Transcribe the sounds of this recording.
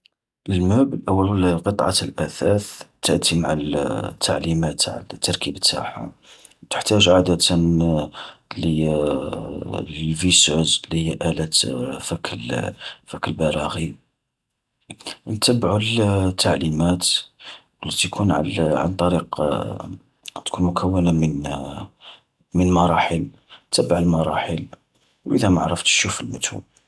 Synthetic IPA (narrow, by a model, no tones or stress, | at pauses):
ʔəlmæblʔəwːəllqət̪ˤʕɑ̰lʔæθæθt̪ːəʔt̪ːimaʕalt̪ʰːaʕlimæt̪ʕa̰lt̪ʰːɑɾˤkibət̪ːa̰ħa̰ | wt̪ə̥ħt̪æʒʕad̪ət̪n | lə | lvisozlihəjːæʔælæt̪fækːlfækːəlbɑɾˤɑɣi | nt̪əbʕult̪ʰːaʕlimæt̪ | əlːit̪kʰunʕ̰ʕa̰nt̪ˤɑɾiq | t̪kʰunmʊkʰəwːənamən | mənmɑɾˤɑħəl | nt̪əbːaʕəlmɑɾˤɑ̰ħəl | wʔə̰d̪æmaʕɾˤəft̪ʃufəlmət̪ṵ